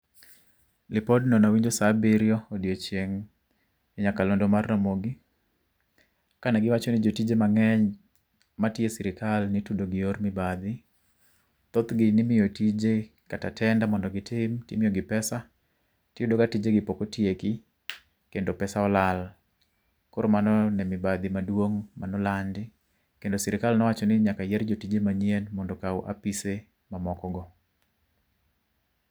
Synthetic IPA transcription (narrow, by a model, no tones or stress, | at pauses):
lɪpɔdnɔnawiɲd͡ʒosabiɾjɔodjot͡ʃeŋ | ɛɲakalondomarnamoɡɪ | kanaɡɪwat͡ʃonɪd͡ʒotid͡ʒemaŋɛɲ | matjesɪɾɪkalnɪtudoɡɪormɪbad̪ɪ | t̪ot̪ɡɪnɪmɪjotid͡ʒe | katatʰɛndamɔndɔɡɪtʰɪmtimɪjɔɡɪpɛsa | tɪjudokatid͡ʒeɡɪpokotjeki | kendopɛsaɔlal | koɾomanɔnɛmɪbad̪ɪmadwoŋmanɔlandɪ | kendosɛɾɪkalnɔwat͡ʃɔnɪɲakajɛɾd͡ʒotid͡ʒemaɲenmɔndɔkawʔa̰pise | mamɔkɔɡɔ